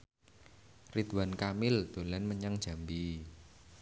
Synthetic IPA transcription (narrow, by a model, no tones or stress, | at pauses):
rid̪wankamɪld̪̥o̤lanməɲaŋd̥ʒ̥a̤mbi